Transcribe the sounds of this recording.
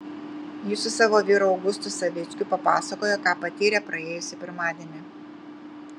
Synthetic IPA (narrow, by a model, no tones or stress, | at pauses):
jɪsʊsɑːʋoːʋʲiːɾoɒʊɡʊst̪ʊsɐʋʲɪt̪sʲkʲʊpɐpɑːsɐkoːjɛkɑːpɐt̪ʲiːɾʲepɾɐeːjʊsʲɪpʲɪɾmɑːd̪ʲeɛnʲɪ